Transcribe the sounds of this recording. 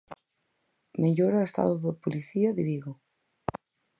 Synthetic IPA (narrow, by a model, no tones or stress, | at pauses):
meʎoɾaest̪a̰ðoðopoliθiɐðiβiɣo